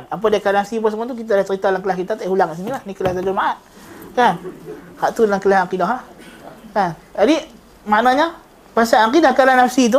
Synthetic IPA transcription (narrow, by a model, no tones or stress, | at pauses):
ap̬adakanafsip̬əsəmat̪̬uk̬it̪̬adat͡ʃəɾit̪alaŋkəlahkit̪at̪ahulaŋkaʔs̬inilahnikəlaht̪ad͡ʒʊmaʔat̪̚kanhaʔt̪udlaŋkəlahakidaɦlahkan | d͡ʒadi | maʔnaɲa | pasaʔakidahkalanafsit̪̬u